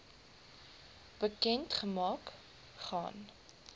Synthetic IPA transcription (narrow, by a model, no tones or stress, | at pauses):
b̥əkɛntχəmɑːk | χɑ̰ːn